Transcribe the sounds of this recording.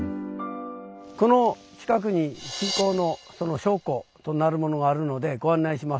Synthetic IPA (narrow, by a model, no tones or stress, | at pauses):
ko̞no̞ | t͡ɕi̥kak̬ɯ̟ɲ̟iɕĩŋko̞ːno̞so̞no̞ɕo̞ːko̞t̪o̞naɾɯ̟mo̞no̞ɡaːɾɯ̟no̞d̪e̞ɡo̞ãnːaiɕimas